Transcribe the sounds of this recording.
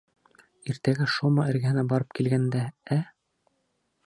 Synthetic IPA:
iɾt̪æɡæʃomɑɘ̆ɾɡæ̆hɘ̆næbɑɾɤp̚kilɡænd̪ææ

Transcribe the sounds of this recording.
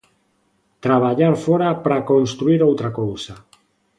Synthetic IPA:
t̪ɾaβ̞aʎaɾfɔɾapɾakonst̪ɾuiɾowt̪ɾakowsa

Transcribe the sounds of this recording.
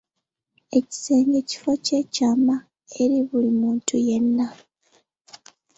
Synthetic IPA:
e̞ci̥se̞ːɲɡe̞ci̥fo̞ce̞caːma | e̞ɾiβulimuːntuje̞nːa

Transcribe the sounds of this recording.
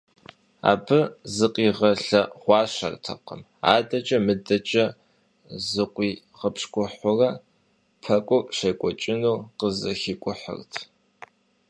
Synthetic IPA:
a̰ːbʰɨzɨqʼiːʁɐɬɐχʷɑːʃɐ̰rtʰɐ̰qə̰m | a̰ːdɐt͡ʃʼɐmɨdɐt͡ʃʼɐ | zɨqʷʼiː | ʁəpʂkʷʊħʷʊrɐ | pʰɐkʷʼʊpʼʃɐkʷʼɔt͡ʃʼɪnuːqəzɐxikʷʼʊħə̰rtʰ

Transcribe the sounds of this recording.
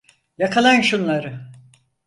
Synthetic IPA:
jakʰalˠanʃunlˠaɾɯ

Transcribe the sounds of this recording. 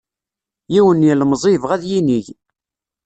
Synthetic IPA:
jiwənjlmzˤivʁæðjiniʝ

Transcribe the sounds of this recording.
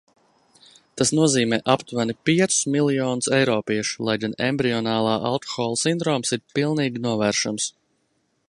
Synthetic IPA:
t̪asnuɔziːmɛːʔapt̪vænipiɛt̪sʊ̥smiliɔːnusɛjɾɔːpiɛʃu̥lˠajɡanɛ̰mbɾiɔnaːlˠaːʔa̰lˠkɔ̥xɔːlˠusind̪ɾɔːmsiɾpilˠniːɡʲinuɔvæːɾʃams

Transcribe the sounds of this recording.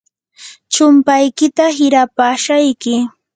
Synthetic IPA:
t͡ʃʊmpajkɪt̪aɦɪɾapaːʃajkɪ

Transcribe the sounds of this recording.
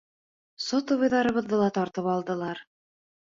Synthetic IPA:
sot̪ŏβɤ̆jðɑɾɤ̆βɤðbɤlˠɑt̪ɑɾt̪ɤpɑlˠd̪ɤ̆lˠɑɾ

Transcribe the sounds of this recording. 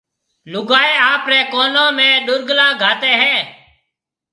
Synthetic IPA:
lʊɡaːeːaːpɾɛːkoːnõːmẽːɗʊɾɡlãːɡʱaːt̪eːɦɛ̃ː

